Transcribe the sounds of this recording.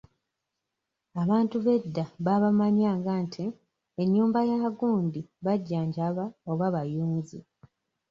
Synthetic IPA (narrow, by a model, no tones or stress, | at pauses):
aβaːntuβe̞dːaβaβamaɲaːŋɡantʰi | eɲːuːmbajaɡuːndiβaɟːaːɲɟaβaoβaβajuːɲzi